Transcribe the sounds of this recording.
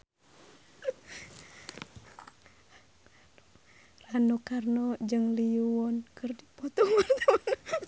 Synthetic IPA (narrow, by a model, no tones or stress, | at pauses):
ranukarnɔd͡ʒɨŋliuwɔnkɨrdipɔt̪ɔŋɔnt̪n